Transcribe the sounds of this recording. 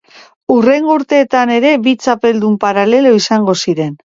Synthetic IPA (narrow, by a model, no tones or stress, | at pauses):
ure̞ŋɡouɾt̪e̞ːt̪ane̞ɾe̞βit͡sape̞ld̪umpaɾale̞lo̞isaŋɡo̞siɾe̞n